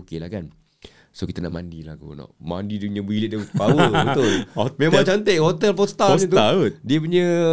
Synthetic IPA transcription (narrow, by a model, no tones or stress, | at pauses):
kelahkan | sokit̪anaʔmandilahko̰nɔ̰ʔmandiduɲə̃bilit̪̚dəpawəbət̪ʊlomẽmãŋt͡ʃant̪eʔhot̪ɛlfɔst̪at̪adiəp̬uɲə